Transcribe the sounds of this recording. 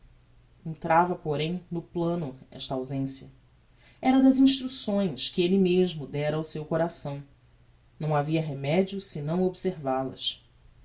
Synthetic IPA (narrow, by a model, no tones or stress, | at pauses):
ẽnt̪ɾʔavɐpoɾẽj̃nʊplɐ̃nʊɛ̰ʃt̪ɐawzẽsjɐ | ɛɾɐd̪ɐzĩʃt̪ɾusõj̃skɪelɪmeʒmʊd̪ɛɾɐawsewkoɾasɐ̃w̃ | nɐ̃w̃aviɐɦemɛd͡ʒiʊsɪnɐ̃w̃obseɾvalɐ̰s